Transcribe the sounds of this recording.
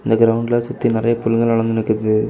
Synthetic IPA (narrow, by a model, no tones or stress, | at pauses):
ɪnd̪ɐɡɪɾɐʋʊɳɖlasʊt̪ːinɪɾɐjɐpʊlːŋɡɐɭɐɭɐnd̪ɪnɯkːɐðɯ